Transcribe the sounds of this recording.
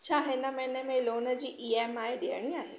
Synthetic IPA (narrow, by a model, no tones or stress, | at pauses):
t͡ɕʰaːɦenɐmɛ̃ːnemẽloːnəd͡ʑiːʔiːemaːeɗeəɽ̃ĩaːɦe